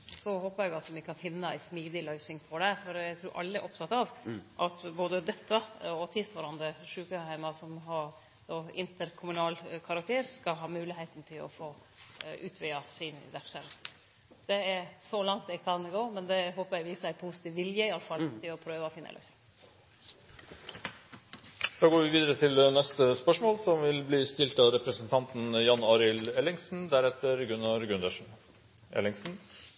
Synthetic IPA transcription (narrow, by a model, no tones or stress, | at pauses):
sɔhoːpəɾjæɡɑt̪mɪkʰɑnfɪnːəæ̰ɪsmiːd̪ɪlœʏsɪŋpʰɔd̪ɛfɔɾæɡt̪ʰɾʉːɾʔɑ̰lːəæ̰ɾʔɔp̚t̪ʰɑt̪ːɑʋʔɑt̪boːd̪əd̪ɛt̪ʰːəɔt̪ʰɪst̪ʋɑɾɑnd̪ɾəʂʉːkəhæɪmɑsɔmɦɑɾ | d̪oːɪnt̪əɾkʰʊmʉnɑːlkʰɑɾɑk̚t̪ʰeːɾskɑɦɑːmʉːlɪheɪt̪n̩t̪ʰɪlɔ̰foː | ʔʉ̰ːt̪ʰʋɪɑsɪn̰ʋæʂɛm | d̪̥ɛɛɾsɔlɑŋt̪̚d̪ɛkʰɑnɡoːmɛnd̪ɛɦoːpəɾjɛɡʋiːsæɪpʰuːsɪ̥t̪iːʋʋɪljəɪɑləfɑlt̪ʰɪlɔpʰɾøːʋəɔfɪnːə̰lœ̰sɪ | d̪̥ɑːɡoːʋɪʋiːd̪əɾət̪ʰɪlnɛst̪əspœʂmoːlsɔmʋɪlbliːst̪ɪlt̪ɑʋɾɛpɾəsənt̪ʰɑnt̪n̩jɑnɑːɾɪlɛlɪŋsn̩d̪æɾɛt̪ːəɾɡʉnːɑɾɡʉnd̪əʂn | ɛ̰lɪŋsn̩